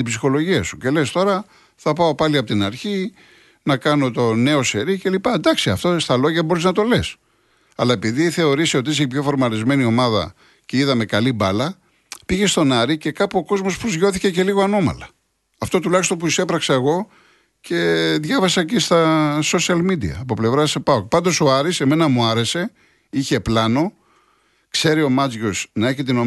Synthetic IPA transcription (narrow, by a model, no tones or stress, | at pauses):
ibsixo̞lo̞ʝiɐsuce̞le̞st̪o̞ɾɐ | θɐpɐo̞pɐliɐpo̞t̪inɐɾçi | nɐkɐno̞t̪one̞o̞se̞ɾice̞lipɐend̪ɐksiɐft̪ost̪ɐlo̞ʝɐbo̞ɾiznɐt̪o̞les | ɐlɐe̞piðiθe̞o̞ɾisio̞t̪iseipço̞foɾmɐɾizme̞nio̞mɐðɐ̰ | ce̞iðɐme̞kɐlibɐlɐ | piʝe̞st̪o̞nɐɾice̞kɐpuoko̞zmo̞spɾozʝo̞θice̞ce̞liɣo̞ɐno̞mɐ̰lɐ | ɐft̪o̞t̪ulɐçist̪o̞npuise̞pɾɐksɐeɣo̞ | ce̞ðʝɐvɐsɐcist̪ɐso̞siɐlmid̪iɐ̰ːpo̞ple̞vɾɐsepɐok̚pɐnd̪o̞soɐɾise̞me̞nɐmuɐɾe̞se̞ | içe̞plɐno̞ | kse̞ɾio̞mɐzʝo̞snɐe̞çit̪̬ino̞